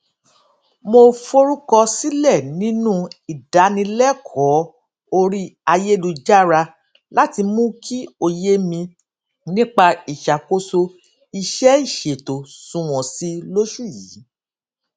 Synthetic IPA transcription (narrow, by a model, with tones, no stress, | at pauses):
mo˧fo˦ɾu˦kɔ˧si˦lɛ˦˨nĩ˦nũ˦i˨da˨˦nĩ˧lɛ˦kʰɔ˨˦ | o˧ɾi˦a˧je˦lu˧d͡ʒa˦ɾa˧ | la˦ti˧mũ˦kʰi˦o˧je˦mĩ˧ | nĩ˦k͡pa˧i˨ʃa˨ko˧so˧ | i˧ʃɛ˦i˦˨ʃe˨to˨sũ˧w̃ɔ̃˨si˦lo˦ʃu˦˨ji˨˦